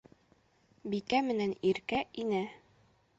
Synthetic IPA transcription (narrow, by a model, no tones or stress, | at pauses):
bikæmɘ̆næniɾkæʔinæ